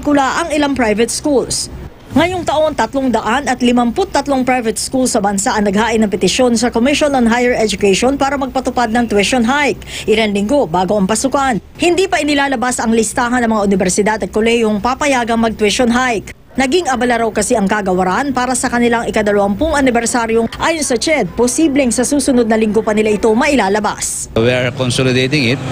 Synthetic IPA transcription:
kʊlaʔɐŋɪlaŋpɹajvɛt̪skuls | ŋɐjoŋt̪ɐʔo̞nt̪ɐt̪loŋd̪ɐʔanɐt̪lɪmɐmpʊt̪ːɐt̪loŋpɾajvɛt̪̚skulsɐbɐnsaʔɐŋnɐɡhaːʔɪnːɐŋpɛt̪ɪʃjo̞nsɐkomɪʃonɐnɦajɛɹʔɛd͡ʒʊkɛʃonpaːɾɐmɐɡ̚pɐt̪ʊpad̪̚nɐŋt̪wɪʃonɦajkʔɪlɐnlɪŋɡo̞baːɡoʔɐŋpɐsukan | hɪnd̪iːpɐʔɪnɪlaːlɐbasɐŋlɪst̪aːɦɐnːɐŋmɐŋaʔʊnɪbɛɾsɪd̪ad̪ɐt̪̚kolɛhjoŋpapɐjaːɡɐŋmɐɡ̚t̪wɪʃonɦajk | nɐɡiŋʔɐbɐlaɾɐwkɐsɛʔɐŋkaɡɐwɐɾanpaːɾɐsɐkɐnɪlaŋɪkɐd̪ɐlɐwampʊŋɐnɪbɛɾsaɾjoŋʔaːjonsɐt͡ʃɛd̪̚posiːblɛŋsɐsuːsʊnod̪̚nɐlɪŋɡopɐnɪlaʔɪt̪o̞mɐʔɪlaːlɐba̰s | wiaɹkonsolɪd̪ejt̪ɪŋɪt̪

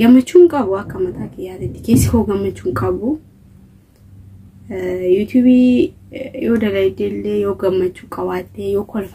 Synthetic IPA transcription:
ɡɐmːɐt͡ʃːuŋkʼɐβuɐkːɐmɐt̪ʰaːkɪjaːlɪt̪ːɪ̥kesːɪkoɡɐmːɐt͡ʃːuŋkʼɐbu | jut̪ʰjuːbi | joːd̪ɐlɐjd̪elːejoːɡɐmːɐt͡ʃːukʼɐwaːt̪ʼːejoːkʰɔlf

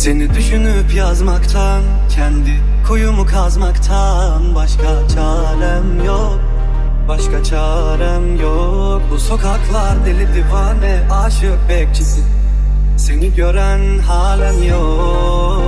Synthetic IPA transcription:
se̞nid̪yʃynypʰjazmakt̪ʰan | cʰɛnd̪i | kʰujumukʰazmakt̪ʰa | nbaʃkʰat͡ʃʰaː | lɛmjo | k | b̥aʃkʰat͡ʃʰaː | ɾamjo | k̚buso̞kʰaklˠaɾd̪elʲid̪ivanvɛ | aːʃɯk̚bɛc̚t͡ʃʰisi | se̞niɟø̞ɾæn | haːlʲæmjo

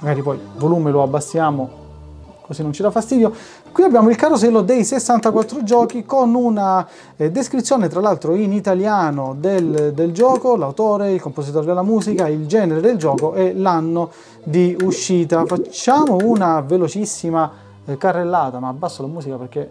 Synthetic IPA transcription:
maɡaːɾipɔjvoluːmeloabːasːjaːmo | kosinːont͡ʃid̪afːast̪iːd̪jo | kwiabːjaːmoilkarosɛlːod̪ejsesːant̪akwat̪ːɾod͡ʒɔːkikonuna | d̪eskɾit̪sːjoːnet̪ɾalalt̪ɾoinit̪aljaːnod̪eld̪eld͡ʒɔːkolawt̪oːɾeilkomposit̪ɔːɾed̪elːamuːsikaild͡ʒɛːneɾed̪eld͡ʒɔːkoɛlanːo | d̪iuʃːiːt̪afat͡ʃːaːmounavelot͡ʃisːima | karːelːaːt̪amaːbːasːolamuːsikapeɾk̟e

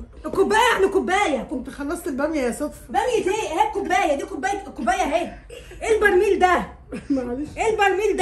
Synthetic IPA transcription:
kobːæːjæenikobːæːjækont̪exɑlːɑsˤt̪elbæmjæjæsofbæmjet̪eːhæːb̚kobːæːjæd̪iːkobːæːjækːobːæːjæɦeː | ʔelbɑɾˤmiːld̪æ | mæʕaliʃʔelbɑɾˤmiːld̪

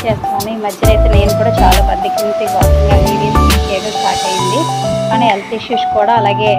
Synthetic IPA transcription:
t͡ʃeːst̪aːnd̪iiːmɐd͡ʒjɐlɐjt̪eːne̞ːnukuːɽaːt͡ʃa̰ːlaːpɐd̪ːikint̪iːkaːsiŋɡaːɦiʋiːsikeːkɐsʈaːkɐjind̪iaːnielt̪iʃjuʃkuːɽaːɐlaːɡe̞ː

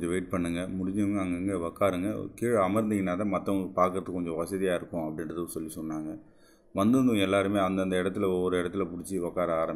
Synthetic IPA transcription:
ɲd͡ʒɐ̃ʋeɪʈ̚pɐɳːɯŋɡɐmʊɽɪɲd͡ʒɐʋɐŋɡɐɐŋɡɐŋɡeʋɐkːaːɾɯŋɡɐkiːɻɐmɐɾɯnd̪ɪŋɪnaːðɐmɐt̪ːɐʋɐŋɡɐpaːɾkɾɐt̪ːɯkːɔɲd͡ʒɔ̃ʋɐsɐðijaːɪɾɯkːʊ̃ɐpːɐɽɪnɾɐðɯsɔlːisɔnːaːŋɡɐ | ʋɐnd̪ɯnd̪ʊ̃ɛlːaːɾɯmeːɐnd̪ɐnd̪ɐɪɽɐt̪̬ːɪlɐɔʋɾɯɪɽɐt̪ːɪlɐpʊɽɪt͡ʃːɯʋɐkːaːɾɐaːɾɐm

